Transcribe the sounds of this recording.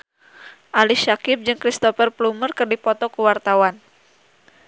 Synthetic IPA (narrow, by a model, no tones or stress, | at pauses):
ʔaliʃakɪp̚d͡ʒɨŋkɾist̪ɔfərplumərkɨrdipɔt̪ɔkuwart̪awan